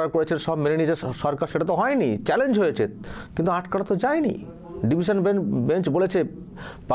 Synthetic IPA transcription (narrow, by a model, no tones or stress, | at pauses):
aɾkoɾet͡ɕʰenʃɔbmenenit͡ɕeʃɔɾkaɾʃeʈat̪oɦɔenit͡ɕɛlend͡ʑɦojet͡ɕʰekint̪uaʈkaɽat̪od͡ʑaenḭ | ɖibʱiʃonbebeɲt͡ɕbolet͡ɕʰe | pa